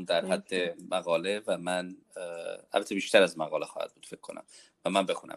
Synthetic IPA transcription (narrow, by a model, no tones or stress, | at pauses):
md̪æɾhæd̪ːemæɣɒːle̞væmæn | æ̰lbæt̪ʰːebiːʃt̪ʰæɾæzmæɣɒːlexɒːhæ̰d̪̥̚buːd̪fekʰːo̞̰næ̰m | væmænbe̞xunæ̰m